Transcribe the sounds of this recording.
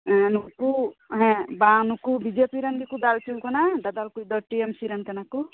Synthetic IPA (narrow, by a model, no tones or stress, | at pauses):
ɛ̃nukuɦɛ̃banukubid͡ʒepiɾand̪ikud̪altiwkɔnad̪ad̪alkujd̪ɔʈiemsiɾankanaku